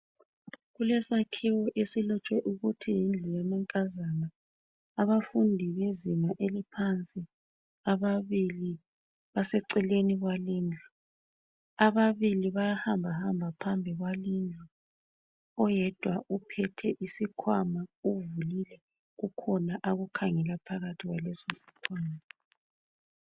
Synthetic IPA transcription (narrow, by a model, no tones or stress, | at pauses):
ɣulɛsakʰiwɔʔesilɔt͡ʃʼwɛʔuɣutʰijind͡ɮʱujamɛŋkʼazanaː | βafundʱiβeziŋaʔelipʰant͡sʼi | aβaβili | βasɛǀɛleniɣwaliːnd͡ɮʱu | aβaβiliβajahambʱahambʱapʰambʱiɣwalind͡ɮʱu | ɔjɛd̥ʱwaupʰɛtʰɛʔisikʰwamauvulilɛ | ɣukʰɔnaʔaɣukʰaŋɛlapʰaɣatʰiɣwalɛsɔsi̥kʰwaːma